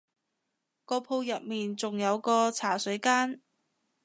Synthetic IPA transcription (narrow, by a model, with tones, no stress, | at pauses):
kɔː˧pʰo˧wjɐ˨t̚miː˨nt͡sʊ˨ŋjɐ˨˧wkɔː˧t͡sʰaː˨˩sɵ˨˥ɥkaː˥n